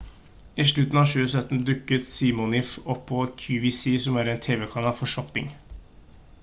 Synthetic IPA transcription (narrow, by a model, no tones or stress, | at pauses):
ɪʂɭʉt̪n̩ɑːʃʉːəsœt̪ːn̩d̪ʉkːət̪siːmʊnɪfɔpʰːɔkʰjʉːʋisiːsɔmæːɾɛnt̪ʰeːʋɛkʰɑnɑːfɔʂɔpɪ̰ŋ